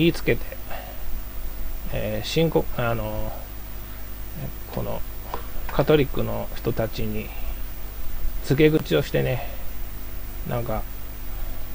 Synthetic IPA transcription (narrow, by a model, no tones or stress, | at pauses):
iːt͡sɨ̥ke̞t̪e̞ | eːɕĩŋkoano̞ | kʰo̞no̞̰ | kʰat̪o̞ɾʲikːɯ̟no̞çi̥t̪o̞t̪at͡ɕiɲ̟i | t͡sɨɡe̞ɡɯ̟t͡ɕio̞ɕi̥t̪e̞ne̞ | nãŋka